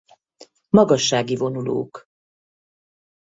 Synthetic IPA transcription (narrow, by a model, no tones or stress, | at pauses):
mɒɡɒʃːaːɡivo̞nulo̰ːk